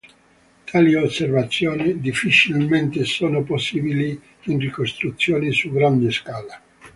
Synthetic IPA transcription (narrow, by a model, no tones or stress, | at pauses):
t̪ʰaːliosːervat̪sːjoːnid̪ifːit͡ʃilment̪esoːnoposːiːbili | inrikost̪ɾut̪sːjoːnisuɡɾand̪eskaːla